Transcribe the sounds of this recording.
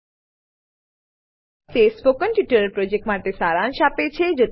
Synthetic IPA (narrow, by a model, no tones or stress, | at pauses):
sesbokːənpjuʈəɾəɾpɾod͡ʑek̚ʈmaʈesaɾanʃapet͡ɕʰed͡ʒot̪